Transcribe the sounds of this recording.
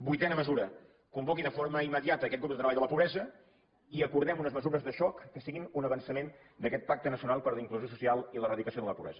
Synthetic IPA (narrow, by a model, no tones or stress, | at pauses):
bujt̪ɛnəməzuɾə | kumbɔkiðəfoɾməimːəðiat̪əːkɛt̪ɡɾup̚d̪ət̪ɾəβaʎðələpuβɾɛzə | iəkuɾðɛmunəzməzuɾəzðəʃɔkːəsiɣinunəβənsəmen | d̪əkɛt̪̚pak̚t̪ənəsiunalˠpəɾləiŋkluzjos̬usialˠilərəðikəsioðələpuβɾɛ̰zə